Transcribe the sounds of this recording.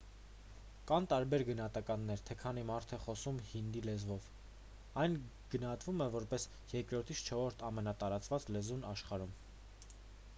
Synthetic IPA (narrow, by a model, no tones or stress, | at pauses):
kɑnt̪ɑɾbɛɾɡənɑhɑt̪ɑkɑnːɛɾt̪ʰɛkʰɑn̪imɑɾt̪ʰɛχɔsumhind̪ilɛzvɔv | ɑjn | ɡ̥ənɑɦɑt̪vumɛvɔɾpɛs | jɛɾkɾɔɾt̪ʰisʰt͡ʃʰɔɾɔɾt̪ʰɑmɛnɑt̪ɑɾɑt͡svɑt͡slɛzunɑʃχɑɾum